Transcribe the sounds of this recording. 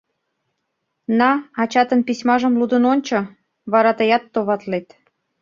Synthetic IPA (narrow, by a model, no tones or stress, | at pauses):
nɑɑt͡ɕɑt̪ənpisʲmɑʒəmlud̪ə̆nonʲt͡ɕo | βɑɾɑt̪əjɑt̪ːoβɑt̪let̪